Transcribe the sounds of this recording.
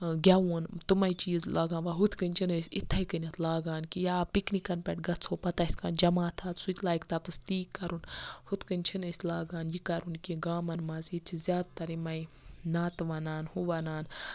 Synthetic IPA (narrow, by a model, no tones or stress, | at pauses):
ɡʲaunt̪umɐit͡ʃiːzlʔaːɡãːnʋaɦut̪ʰkɨnʲt͡ʃʰinɐsʲit̪ʰːɐikɨnʲɐt̪ʰlaːɡaːnkijaːpiknikɐnpʲɛʈɡɐt͡sʰoːpɐt̪asʲkaːnd͡ʒɐmaːt̪ʰaːt̪sut͡ʃʲlaːjkt̪at̪ɨst̪iːkːɐɾunhut̪ʰkɨnʲt͡ʃʰinɨsʲlaːɡaːnjikɐɾunkʲiɡaːmɐnmɐzit͡ʃʰizʲaːd̪̚t̪ɐɾimɐi | naːt̪ʋanaːnhuʋanaːn